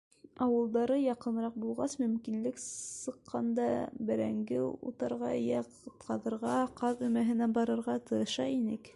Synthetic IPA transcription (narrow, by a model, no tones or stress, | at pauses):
ɑwɤ̆lˠd̪ɑɾɤjɑqɤ̆nɾɑq̚bulˠʁɑsmɵ̆mkinlɘksɤ̆qʰːɑnd̪ɑbɘ̆ɾæŋɡɘṵt̪ɤɾʁɑ̰jæqɤ̆t̪̚qɑðɤ̆ɾʁɑqɑðɵ̆mæɦɘ̆næbɑɾɤ̆ɾʁɑt̪ɤ̆ɾɤ̆ʃɑinɘk